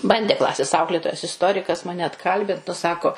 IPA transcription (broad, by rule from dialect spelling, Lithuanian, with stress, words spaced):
ˈbɐnʲdʲeː ˈklˠɑːsʲeːs ˈɐʊklʲeːtoːjɛs ɪsˈtoːrʲɪkɐs ˈmɑːnʲɛ ɐtˈkɐlʲbʲɪnt nʊ ˈsɑːkoː